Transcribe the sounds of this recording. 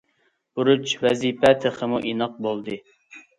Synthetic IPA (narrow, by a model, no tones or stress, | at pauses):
buɾut͡ʃwɛzipɛt̪ʰəχʰəmuʔinɑq̚bolˠd̪ɨ